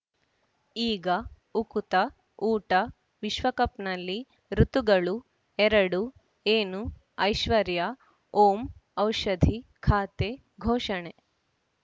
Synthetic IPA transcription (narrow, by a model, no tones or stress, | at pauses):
iːɡɐ | ukut̪ɐ | uːʈɐ | ʋiʃʋɐkɐpnɐlːi | ɾut̪uɡɐɭu | ɛɾɐɽu | eːnu | ɐjʃʋɐɾja | oːmɐwʃɐd̪ʱikʰaːt̪e | ɡʱoːʃɐɳe